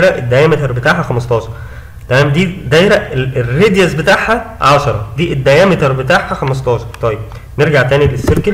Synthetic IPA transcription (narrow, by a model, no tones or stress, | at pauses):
ɾæʔed̪ːæjæːmet̪ɑɾˤbet̪aːʕhæxæmɑst̪ˤɑːʃɑɾˤ | t̪æmæːmd̪iːd̪æjɾæʔeerːed̪jæsbet̪aʕhæʕɑʃɑɾˤɑd̪iːʔed̪ːæjæːmet̪ɾˤbet̪aʕhæxæmɑs̬t̪ˤɑːʃɑɾˤt̪ˤɑjeb̚ | neɾɡaʕt̪æːnilesːeɾkel